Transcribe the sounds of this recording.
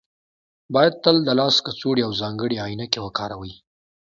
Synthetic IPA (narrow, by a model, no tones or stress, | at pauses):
bɑjad̪̚t̪əld̪əlɑskət͡soɽiawzɑŋɡəɽeɑjinakewəkɑɾawəj